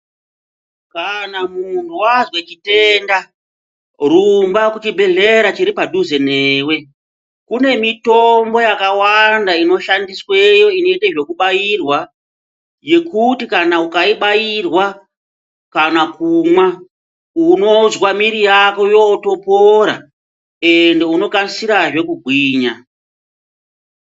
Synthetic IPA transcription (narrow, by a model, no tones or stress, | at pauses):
kanamuntuwazwe̞t͡ʃite̞nda | rumbakut͡ʃibʱe̞ɮe̞ɾat͡ʃiɾipaduze̞neːwe̞ | kune̞mito̞mbo̞jakawandaino̞ʃandiswe̞jo̞ino̞itaʐo̞kuɓajirwa | je̞kutikanaukaiɓajirwa | kanakumwa | uno̞zwamiɾijako̞jo̞ːto̞poɾa̰ | e̞nde̞uno̞kanisiɾaʐe̞kuɡʱwiːɲa